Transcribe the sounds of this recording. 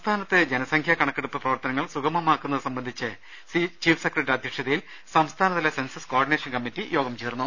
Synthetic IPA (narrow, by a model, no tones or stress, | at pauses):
mst̪ʰaːnɐt̪ːed͡ʑenɐsɐŋkʰjakɐɳɐkːeɽupːɨprɐʋɐrt̪ɐnɐŋːɐɭsuɡɐmɐmaːkːunːɐðɨsɐmbɐnd̪ʱit͡ɕːɨ | sit͡ɕiːfsekːreʈːɾɐd̪ʱjɐkʂɐðɐjil | sɐmst̪ʰaːnɐt̪ːilesensɐskoːrɖineːʂɐnkɐmːitːijo̞ːɡɐmt͡ɕeːrnːu